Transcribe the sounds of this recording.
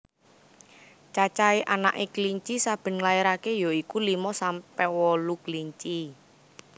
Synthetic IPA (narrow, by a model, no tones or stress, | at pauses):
t͡ʃat͡ʃaiʔana̰ʔekliɲt͡ʃisab̥ə̤nŋlaiɾakejoikulimɔsampɛwɔlukliɲt͡ʃi